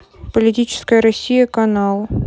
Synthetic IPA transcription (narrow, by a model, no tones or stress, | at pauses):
pəlʲɪtʲit͡ɕɪ̥skəjəɾɐsʲijəkɐnɑlˠ